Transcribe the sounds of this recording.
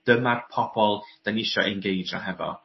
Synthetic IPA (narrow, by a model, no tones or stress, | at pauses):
d̥əmarpʰɔb̥ɔlˠd̥anɪʃɔ̰ʔɛnɡejd͡ʒna̰ɦɛvɔ̰